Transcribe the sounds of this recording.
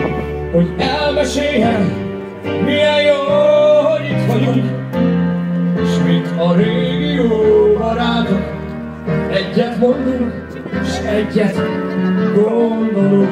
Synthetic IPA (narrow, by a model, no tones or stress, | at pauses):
ho̞ɟɛlmɛʃeːɦɛl | mijɛjjoːɦoɟit̪hɒɟuŋk | eːʃmint̪ɒɾeːɡijoːɾɒɾaːt̪ok | ɛɟːɛt̪mo̞nd̪uŋk | eʃɛɟːɛt̪ | ɡolnd̪olo